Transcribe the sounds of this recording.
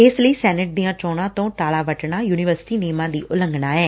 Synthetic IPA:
ɪsləiːsɛːnəʈ̚d̪ijãːt͡ʃɔːɽ̃ãːt̪õːʈaːɭaːʋəʈɳaːjuːnɪʋəɾsɪ̥ʈiːneːmãːd̪iːʔʊlə̃ŋɡnaːɛː

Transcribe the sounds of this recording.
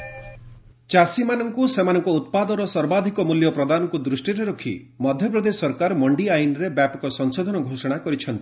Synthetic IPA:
t͡ʃasimanɔŋkusemanɔŋkɔut̪̚pad̪ɔɾɔsɔɾbad̪ʱikɔmuljɔpɾɔd̪anɔkud̪ɾusʈiɾeɾɔkʰḭ | mɔd̪ʱjɔp̬ɾɔd̪esɔɾkaɾmɔɳɖiajnɔɾebjapɔkɔsɔŋsod̪ʱɔnɔɡʱosɔɽ̃akɔɾit͡ʃʰɔnt̪i

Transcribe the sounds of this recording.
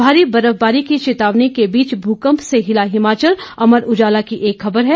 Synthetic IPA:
bʱaːɾibɐɾəfbaːɾikit͡ʃɪt̪aːʋnikebiːt͡ʃbʱuːkə̃mpseɦɪlaɦɪmaːt͡ʃəlɐməɾʊd͡ʒaːlakiʔeːkxɐbəɾɦɛː

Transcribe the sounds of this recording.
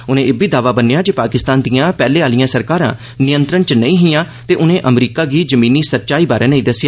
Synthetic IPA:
ʊnẽːɪbiːd̪aːʋaːbənːeːjaːd͡ʒeːpaːkɪst̪aːnd̪ijãːpɛːleːaːlɪjãːsəɾkaːɾã̰ː | nɪjənt̪ɾənt͡ʃnə̃ĩːɦɪjãː | t̪eːʔʊnẽːʔəmɾiːkaːɡiːd͡ʒəmĩːniːsətːʃaːiːbaːɾʔeːnəĩːd̪əsːjaː

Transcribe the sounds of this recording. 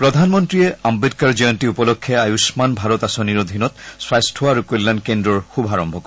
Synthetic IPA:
pɹɔd̪ʱanmɔntɹijɛambid̚kaɹziɔntiupɔlɔkʰːɛajusmanbʱaɹɔt̪asoniɹɔd̪ʱinɔt̪̚swajstʰɔaɹukolːankendɹɔɹxubʱaɹɔmbʱɔkɔ

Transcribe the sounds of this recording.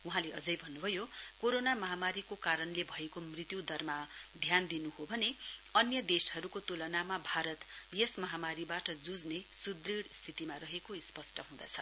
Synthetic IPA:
uɦãleʌd͡zʌjbʱʌnːubʱʌjokoɾonamʌɦamaɾikokaɾʌnlebʱʌekomrit̪jud̪ʌrmad̪ʱjand̪inuɦobʱʌneʌnjʌd̪eshʌɾukot̪ulʌnamabʱaɾʌt̪bijesmʌɦamaɾibaʈʌd͡zud͡znesud̪riɽst̪ʰit̪imarʌɦekoispʌsʈʰʌɦũd̪a̰t͡sʰʌ

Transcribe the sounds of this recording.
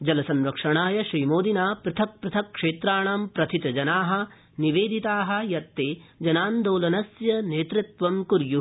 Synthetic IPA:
d͡ʒɐlɐsɐnɾɐkʂɐɳaːjɐʃɾiːmoːd̪inaːpɾɐt̪ʰɐk̚pɾɨt̪ʰɐkʂeːt̪ɾaːɳaːmpɾɐt̪ʰit̪ɐd͡ʒɐnaːɦɐ̆ | niʋeːd̪it̪aːɦɐ̆jɐt̪ːeːd͡ʒɐnaːnd̪oːlɐnɐsjɐneːt̪ɾɪt̪ʋɐmkuɾju

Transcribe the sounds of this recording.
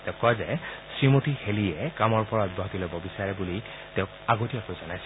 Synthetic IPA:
tɛʊ̃kːɔjzɛsɹimotiheliɛkamɔɹpɔɹaɔd̚bʱɔɦɔtilobɔbisaɹɛbuli | tɛ̃ʊ̃kaɡotiakojzɔnajs

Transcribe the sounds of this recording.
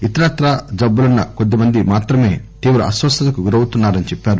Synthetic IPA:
it̪ɐɾaːt̪ɾɐd͡ʒɐbːulɐnːɐko̞d̪ːimɐnd̪imaːt̪ɾɐme̞ːt̪iːʋɾɐɐ̰sʋɐst̪ɐt̪ɐkuɡuɾɐwut̪unːaːɾɐnit͡ʃɛpːaːɾu

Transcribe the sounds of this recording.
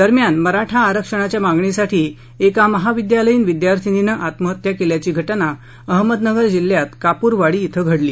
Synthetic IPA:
d̪əɾmjanməɾaʈʰaːɾəkʂəɽ̃at͡ɕjamaɡɳesaʈʰiː | ekaməɦaʋid̪jaləjiːnʋid̪jaɾt̪ʰininəʔat̪məɦət̪jakeljat͡ɕiːɡʱəʈna | əɦməd̪nəɡəɾd͡ʑilːjat̪kapuːɾʋaɽiːt̪ʰəɡʱəɽliː

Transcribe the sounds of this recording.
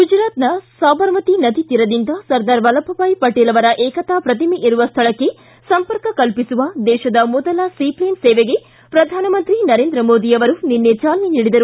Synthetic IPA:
ɡud͡ʒɾaːt̪nɐsaːbɐɾʋɐt̪inɐd̪ʱit̪iɾɐd̪ind̪ɐsɐɾd̪ɐːɾʋɐlɐbʱɐpaːjpɐʈeːlɐʋɐɾɐʔɛːkɐt̪aːpɾɐt̪imeʔiɾuʋɐst̪ʰɐɭɐkːe̞ | sɐmpɐɾkɐkɐlpisuʋɐd̪ɛːʃɐd̪ɐmɔd̪ɐlɐsipleːnseːʋeɡe | pɾɐd̪ʱaːnɐmɐnt̪ɾinɐɾeːnd̪ɾɐmoːd̪ijɐʋɐɾunenːet͡ʃaːlɐniniːɽid̪ɐɾu

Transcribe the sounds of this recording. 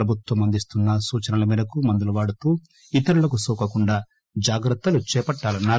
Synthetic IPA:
ɾɐbʱut̪ʋɐmɐnd̪ist̪unːɐsuːt͡ʃɐnɐlɐmiːd̪ɐkumɐnd̪ulɐʋaːɽut̪uː | it̪ɐɾulɐkusuːkɐkuɳɖaː | d͡ʒaːɡɾɐt̪ːɐlut͡ʃɛːpɐʈːaːlɐnːaːɾ

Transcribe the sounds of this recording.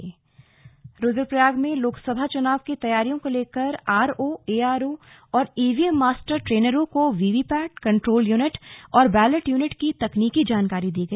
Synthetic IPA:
ɾoːd͡ʒəɾpɾɐjaːɡmẽloːksəbʱat͡ʃʊnaːʋkit̪ɐjaːɾijõkoleːkəɾaːɾoːeːaːɾoː | ɔːɾeːʋiɛmːaːsʈəɾʈɾeːnəɾõkoʋiːʋiːpɛːʈ̚kɐ̃ɳʈɾoːljuːnɪʈɔːɾbɛːləʈjuːnɪʈkit̪ɐkniːkid͡ʒaːnkaːɾid̪iːɡɐiː

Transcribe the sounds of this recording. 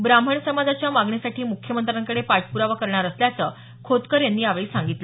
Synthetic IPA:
bɾam̤əɳsəmad͡zat͡ɕjamaɡɳjasaʈiːmukʰjəmənt̪ɾaŋkəɽepaʈpuɾaʋakəɾɳaɾəsljat͡səː | kʰot̪kəɾjanːiːaʋiːsaŋɡit̪lə

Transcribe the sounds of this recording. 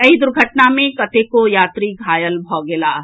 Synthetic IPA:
ɐɦid̪ʊɾɡʱəʈnamẽkɐt̪ekojaːt̪ɾiɡʱaːjəlbʱɔːɡelaː

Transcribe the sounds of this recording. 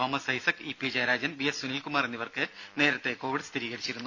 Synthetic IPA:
oːmɐsɐjisɐkipːid͡ʑɐjɾaːd͡ʑɐnbiesunilkumaːrenːiʋɐrkɨne̞ːɾɐt̪ːe̞ko̞ːʋiɽɨst̪ʰiɾiːɣɐɽit͡ɕːiɾunːu

